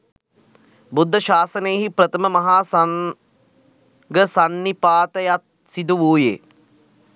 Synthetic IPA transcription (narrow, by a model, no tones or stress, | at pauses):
bud̪ʱːɐʃaːsɐnejːɦipɾɐt̪ɐmɐmɐɦaːsɐŋ | ɡəsɐnːipaːt̪ɐjat̪̚ | sid̪uʋuːjḛː